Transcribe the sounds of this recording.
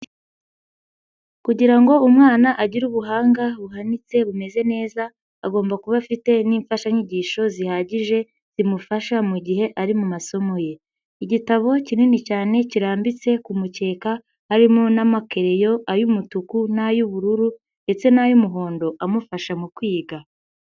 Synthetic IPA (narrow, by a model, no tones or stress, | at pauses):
kuɟiɾaŋɡo̞umŋaːnaʔaɟiɾuβuɦaːŋɡaβuɦanit͡se̞βume̞ze̞ne̞ːza | aɡo̞ːmbakuβafite̞niːɱfaʃaɲiɟiʃo̞zihaɟiʒe̞ | z̥imufaʃamuɟiɦe̞ʔaɾimumaso̞mo̞je̞ | iɟitaβo̞cininicaːne̞ciɾaːmbit͡se̞kumuce̞ːkaː | ɾimonamake̞ɾe̞jo̞ajumutukunajuβuɾuɾu | ne̞t͡se̞najumuɦo̞ːndo̞ʔamufaʃamukwiːɡa